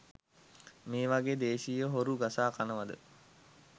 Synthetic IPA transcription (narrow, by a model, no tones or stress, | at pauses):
meːʋaɡeːd̪eːʃijəɦoɾuɡasaːkanəʋad̪ə